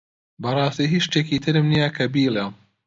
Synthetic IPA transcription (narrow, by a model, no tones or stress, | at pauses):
bɐrˤɑːst̪iːɦiʃt̪eːkit̪ʰɨɾɨmnijakʰɐbiːle